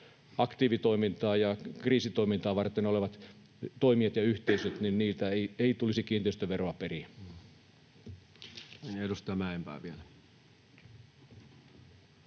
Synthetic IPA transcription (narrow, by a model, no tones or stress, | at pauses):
ɑkt̪iːʋit̪oimint̪ɑːjɑkriːsit̪oimint̪ɑːʋɑrt̪ːˑenoleʋɑt̪ | t̪oimiet̪jɑyht̪eisøt̪ninniːlt̪æeieit̪ulisikiːnt̪eyst̪æʋeroɑperi | edust̪ɑmæempæ̰ːʋielæ